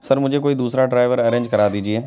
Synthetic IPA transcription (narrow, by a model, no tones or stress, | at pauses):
sɐɾmʊ̃ɦd͡ʑek̬oːid̪uːsɾaɖɾaːɪʋəɾɐɾẽːɲd͡ʒkɐɾaːt̪iːd͡ʒieː